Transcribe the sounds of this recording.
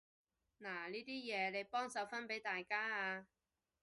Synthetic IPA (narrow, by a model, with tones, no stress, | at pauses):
naː˨˩liː˥t̪iː˥jɛː˨˧le˨˧jpɔː˥ŋsɐ˨˧˥wfɐ˥npe˨˥jt̪aː˨jkaː˥aː˧